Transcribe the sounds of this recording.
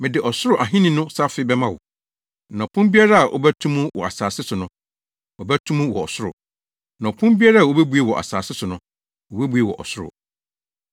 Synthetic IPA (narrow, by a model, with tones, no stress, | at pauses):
mɪ̃˨dɪ˨ʔɔ˨sʊ˦ɾʊ˨ʔa˨ɦĩ˦nĩ˦nʊ̃˦sa˦fɪ˦bɛ˦mã˦wɔ̰˨ | nã˨pʰʊ̃˦mbi˦a˦ɾa˦a˨ʔo̰˦bæ˦tʰũ˦mũ˦wɔ̰˨a̰˨saː˨sɪ˦sʊ˨nʊ̃˦ | ɔ˨bæ˦tʰũ˦mũ˦wɔ̰˨ɔ˨sʊ˦ɾʊ̰˨ | nã˨ɔ˨pʰʊ̃˦bi˦a˦ɾa˦a˨o˦bæ˦bu˦e˨wɔ˨ʔa̰˨saː˨sɪ˦sʊ˨nʊ̃˦ | o˨bæ˦bu˦e˨wɔ̰˨ʔɔ̰˨sʊ˦ɾʊ̰˨